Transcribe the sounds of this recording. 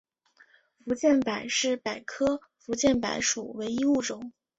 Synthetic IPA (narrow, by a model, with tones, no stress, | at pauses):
fu˧˥t͡ɕjɛ˥˩npa˨˩ɪʂɻ̩˥˩pa˨˩ɪkʰɤ˥ | fu˧˥t͡ɕjɛ˥˩npa̰˧˥ɪʂu˨˩we˧˥ɪi˥u˥˩ʈ͡ʂʊ˨˩˦ŋ